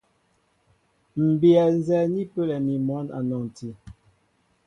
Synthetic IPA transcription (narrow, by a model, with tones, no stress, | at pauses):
m̩˨bi˨ɛ˨n̩˦zɛ˦˨ni˦pə˦˨lɛ˨mi˨mɔ˨˦na̰˨nɔ˨ŋ˨ti˨